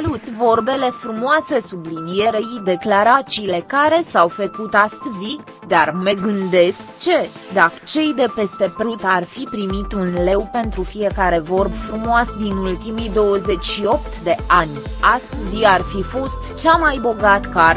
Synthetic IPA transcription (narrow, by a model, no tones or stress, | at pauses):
lut̪vo̞rbe̞le̞fɾumoase̞sublinijeɾeid̪e̞klaɾat͡ʃiːle̞kaɾe̞sawfəkut̪ast̪zi | d̪armeɡɨnd̪e̞skt͡ʃe̞ | d̪at͡ʃe̞jd̪e̞pe̞st̪e̞pɾut̪arfipɾimit̪unle̞wpe̞nt̪ɾufije̞kaɾe̞vo̞rbfɾumoasd̪inult̪imijd̪o̞wəze̞t͡ʃʲʃio̞pt̪d̪e̞anʲ | ast̪ziarfifo̞st̪t͡ʃamajbo̞ɡat̪kəa